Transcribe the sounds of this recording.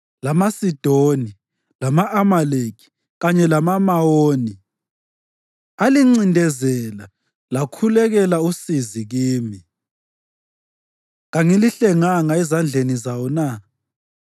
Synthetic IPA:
lamasid̥ʱoni | lamaʔamaleki̥ | ɣaɲɛlamamaoːni | aliŋ͡ǀindʱɛzɛla | lakʰulɛɣɛlausiziɣiːmi | ɣaŋiliɬɛŋaŋaɛzand͡ɮʱenizawɔna

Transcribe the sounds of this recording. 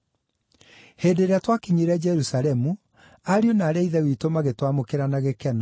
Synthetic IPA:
heːdeɾeatwakiɲeɾɛd͡ʒɛɾusaɾɛmu | aɾionaːɾɛiðɛwitomaɣetwamokeɾanaɣekɛnɔ

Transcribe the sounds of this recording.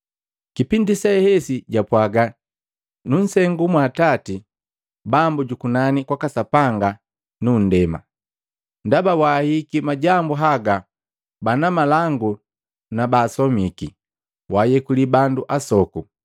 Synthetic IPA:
kipindisɛhɛsiɟapwaɡa | nun̩sɛŋɡumwaːtati | bambuɟukunanikwakasapaŋɡa | nun̩dɛma̰ | ndabawaːhikimaɟambuɦaɡa | banamalaŋɡu | nabaːsɔmiki | waːjɛkulibanduʔasɔku

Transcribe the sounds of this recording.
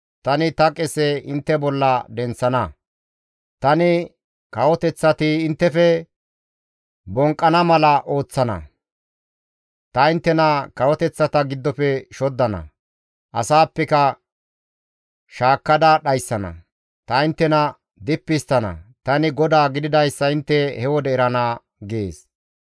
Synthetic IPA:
t̪ɐnɪt̪ɐkʼɛsɛɪnt̪ːɛbɔlːɐd̪ɛnt͡sːɐnɐ | t̪ɐnɪ | kɐwɔt̪ɛt͡sːɐt̪ɪɪnt̪ːɛfɛ | bɔŋkʼːɐnɐmɐlɐʔo̞ːt͡sːɐnɐ̰ | t̪ɐɪnt̪ːɛnɐkɐwɔt̪ɛt͡sːɐt̪ɐɡɪd̪ːɔpɛʃɔd̪ːɐnɐ̰ | ʔɐsaːpːɛkɐ | ʃaːkːɐd̪ɐɗɐjsːɐnɐ̰ | t̪ɐɪnt̪ːɛnɐ | d̪ɪpːɪst̪ɐnɐ̰t̪ɐnɪɡɔd̪aːɡɪd̪ɪd̪ɐjsːɐɪnt̪ːɛhɛwɔd̪ɛɛɾɐnaː | ɡḛːs

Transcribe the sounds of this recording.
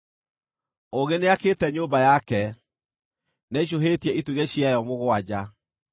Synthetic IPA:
oɣeneakeːtɛɲoːmbajakɛ | naiɕ̬oɦeːtiɛitwuɣeɕiajɔmoɣwad͡ʑa

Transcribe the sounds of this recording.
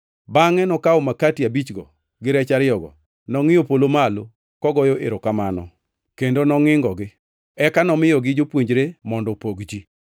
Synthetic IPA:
baŋɛnɔkaomakatiabit͡ʃɡɔ | ɡɪɾɛt͡ʃaɾɪjɔɡɔ̰ | nɔŋɪjopolomalo | kɔɡɔjoʔḛɾokamanɔ | kendonɔŋɪŋɡɔɡɪ | ɛkanɔmɪjɔɡɪd͡ʒopwoɲd͡ʒɾemɔndɔpoɡd͡ʒi

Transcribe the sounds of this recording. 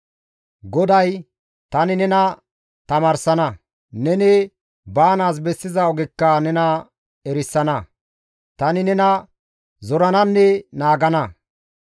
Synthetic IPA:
ɡɔd̪ɐj | t̪ɐnɪnɛnɐ | t̪ɐmaːɾsɐnɐ | nɛnɪ | baːnaːs̬bɛsːɪzɐɔɡɪkːɐnɛnɐ | ɛɾɪsːɐnɐ | t̪ɐnɪnɛnɐ | zɔɾɐnɐnːɛnaːɡɐnɐ

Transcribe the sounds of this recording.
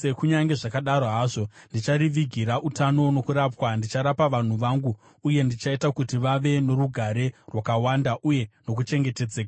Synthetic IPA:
se̞kuɲaŋɡe̞ʐakaɗaɾoɦaːʐo̞ndit͡ʃaɾiʋiɡʱiɾaʔutano̞no̞kuɾapwandit͡ʃaɾapaʋan̤uʋaŋɡuː | je̞ndit͡ʃaitakutiʋaʋe̞no̞ɾuɡʱaɾe̞rwakawandaʔuje̞no̞k̬ut͡ʃe̞ŋɡe̞te̞d͡zeːka

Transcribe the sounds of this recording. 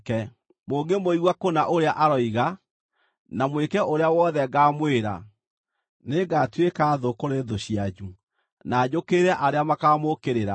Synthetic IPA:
kɛ | moːŋɡemoiɣwakonaʔoɾeaʔaɾɔiɣa | namwekɛʔoɾeawɔðɛɡaːmweɾa̰ | neɡatwekaːðokoɾeðoɕiad͡ʑu | naːd͡ʑokeɾɛʔaɾeamakaːmokeɾeɾa

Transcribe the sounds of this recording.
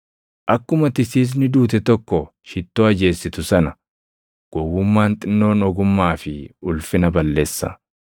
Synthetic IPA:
ʔɐkːʊmɐt̪ɪsiːs̬nɪd̪uːt̪ɛt̪ɔkːɔ | ʃɪt̪ːoːɐd͡ʒe̞ːsːɪt̪ʊsɐnɐ | ɡ̥ɔwːʊmːaːnt̪ʼɪnːo̞ːnɔɡʊmːaːfɪʊlfɪnɐbɐlːeːsːɐ̰

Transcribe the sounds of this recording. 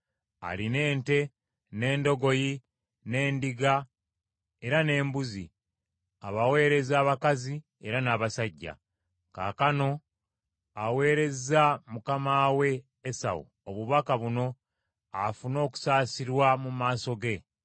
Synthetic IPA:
a̰line̞ːnte̞ | ne̞ːndo̞ɡo̞ji | ne̞ːndiɡa | e̞ɾane̞ːmbuzi | aβawe̞ːɾe̞zaːβakazi | e̞ɾanaːβasaɟːa̰ | ka̰ːkano̞ | awe̞ːɾe̞zamukamaːwe̞ː | sa̰wṵ | oβuβakaβuno̞ | afuno̞ːku̥saːsiɾwamumaːso̞ɡe̞

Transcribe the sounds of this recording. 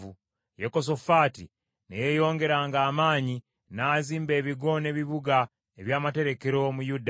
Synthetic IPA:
u | jeko̞s̬o̞faːtḭ | nḛjejo̞ːŋɡe̞ɾaːŋɡaːmaːɲi | naːziːmbe̞ːβiɡo̞ne̞ːβiβuɡa | eβjaːmate̞ɾeke̞ɾo̞mujud

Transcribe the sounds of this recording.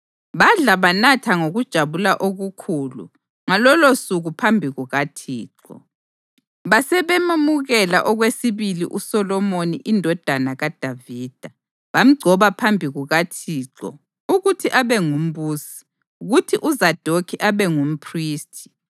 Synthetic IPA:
βaɮaβanatʰaŋoɣud̥ʒ̥ʱaβulaʔoɣukʰuːlṵ | ŋalɔlosuɣupʰambʱiɣuɣatʰiːǁɔ̰ | βasɛβemumuɣɛla̰ʔɔɣwesiβilḭʔusɔlɔmoniʔindʱɔd̥ʱanaɣad̥ʱaviːd̥ʱa | βam̩ɡ͡ǀʱɔβapʰambʱiɣuɣatʰiːǁɔ̰ | uɣutʰiʔaβɛŋum̩βuːsi̥ | uɣutʰiʔuzad̥ʱokʰiʔaβɛŋum̩pʰriːstʰi̥

